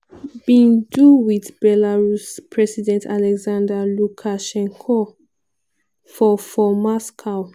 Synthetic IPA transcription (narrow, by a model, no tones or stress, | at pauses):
bĩnduwiθbɛlaɹuspʰɹɛsidɛ̃ntʰalɛɡzãndalukʰaʃɛ̃ŋkʰɔ | fɔfɔmaskʰaʊ